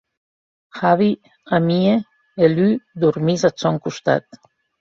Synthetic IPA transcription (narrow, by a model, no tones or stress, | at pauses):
haβi | amie | elyd̪uɾmizasɔŋkust̪a̰t̪